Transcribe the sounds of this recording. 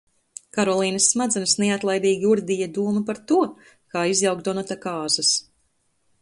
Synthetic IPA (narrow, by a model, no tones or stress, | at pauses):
kaɾɔlˠiːnɐsːmad̪zɛnsnɛat̪lˠajbiːɡʲiuɾd̪ijad̪uːmupaɾt̪uɔ | kaːizjawk̚d̪ɔnat̪akaːzɐs